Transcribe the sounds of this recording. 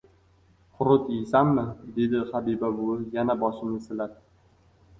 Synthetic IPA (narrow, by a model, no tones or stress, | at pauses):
qʰʊɾʊt̪isamːɪd̪e̞d̪ɪχabibabʊjanabɒʃɪnɪsɪlaɾ